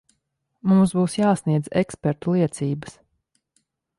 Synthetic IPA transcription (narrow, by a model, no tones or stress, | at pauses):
mumsbuːsjaːsniɛd̪zɛkspɛɾt̪ulˠiɛt̪siːbə̥s